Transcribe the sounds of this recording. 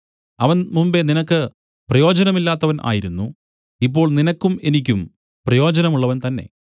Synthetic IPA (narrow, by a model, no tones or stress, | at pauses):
ɐʋɐnmumbe̞ninɐkːɨ | prɐjo̞ːd͡ʑɐnɐmilːaːt̪ːɐʋɐnʔa̰ːjiɾunːu | ip̬ːo̞ːɭninɐkːume̞nik̬ʲːum | prɐjo̞ːd͡ʑɐnɐmuɭːɐʋɐnt̪ɐnːe̞̰